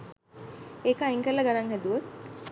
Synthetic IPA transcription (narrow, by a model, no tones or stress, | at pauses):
eːkəaiŋkəlːəɡanaŋɦɛd̪uʋot̪̚